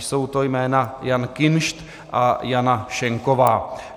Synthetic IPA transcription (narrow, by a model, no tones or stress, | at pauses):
so̞wt̪o̞jmɛːnajankɪnʃt̪ | ʔajanaʃɛŋko̞vaː